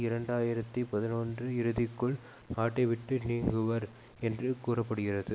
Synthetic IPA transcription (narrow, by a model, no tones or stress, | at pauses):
ɪɾɐɳɖaːjɪɾɐt̪ːipɐðɪnoːndrɯɪɾɯðɪkːɯɭ | kaːʈːɐɪʋɪʈːɯniːŋɡɯʋɐɾ | ɛndrɯkuːrɐpːɐɽɯɣɪrɐðɯ